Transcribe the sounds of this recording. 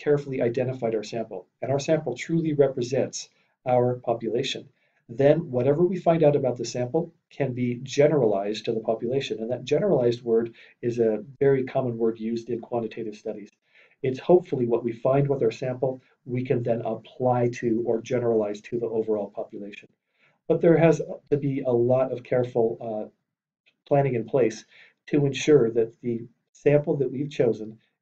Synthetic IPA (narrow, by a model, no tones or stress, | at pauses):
kʰɛɹfl̩ˠiʔaɪdɛ̃ɾ̃ɨfaɪɾaʊə˞sæ̃mpl̩ˠ | ɨ̃ɾ̃aʊə˞sæ̃mpl̩ˠtʰɹ̥ʉlˠiɹɛpɹɨzɛ̃nts | aʊə˞pʰɑpjɨleɪʃɨ̃n | ðɨ̃nwʌɾɛvə˞wifãɪ̃ndaʊɾəbaʊt̪̚ðɨsæ̃mpl̩ˠ | kʰɨ̃nbid͡ʒɛnə˞əlaɪztʰɨðəpʰɑpjɨleɪʃɨ̃nɨ̃nðɨt̚d̥ʒ̥ɛnə˞əlaɪzd̚wɜ˞ɾ | ɪzɨvɛɹikʰɑmə̃nwɜ˞djʉzdɨ̃nkʰw̥ɑ̃nɾ̃ɨtʰeɪɾɨv̥stʌɾiz̥ | ɪtshoʊpfl̩ˠiwʌʔ̚wifãɪ̃nd̚wəðə˞sæ̃mpl̩ˠ | wikʰɨ̃nðɨ̃nəpʰl̥aɪɾɨə˞d͡ʒɛnə˞əlaɪz̥tʰɨðiʔoʊvə˞ɔlˠpʰɑpjəleɪʃɨ̃n̩ | b̥ʌt̪̚ðə˞ɨztʰɨbiəlɔɾʌv̥kʰɛɹfl̩ˠ | pʰl̥æ̃ɾ̃ɪ̃ŋɨ̃npʰl̥eɪs | tʰɨɨ̃nʃʊɹðɨt̪̚ðɨ | sæ̃mpl̩ˠðɨʔ̚wiv̥t͡ʃʰoʊzɨ̃n